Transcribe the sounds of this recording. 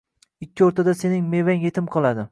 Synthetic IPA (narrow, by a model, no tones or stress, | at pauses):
ɪkʲːɪoɾt̪ʰad̪ase̞nɪŋme̞vaŋje̞t̪ʰɪmqʰɒlˠad̪ɪ